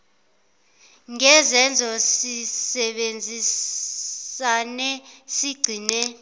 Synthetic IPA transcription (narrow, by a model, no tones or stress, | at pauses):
ŋɛzɛnd͡zʱɔsisɛɓend͡zʱis | anɛsiɡ͡ǀʱiːnɛ